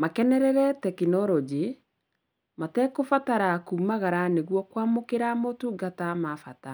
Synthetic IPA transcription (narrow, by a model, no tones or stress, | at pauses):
makɛnɛɾɛɾɛtɛkinɔɾɔd͡ʑe | matɛkofataɾakumaɣaɾaneɣwɔkwamokeɾamotuɡatamafata